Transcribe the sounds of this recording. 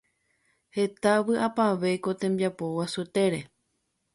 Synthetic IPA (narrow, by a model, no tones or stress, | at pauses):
he̞t̪aʋɨʔapaʋe̞ko̞t̪ẽ̞mbiapowasut̪e̞ɾe̞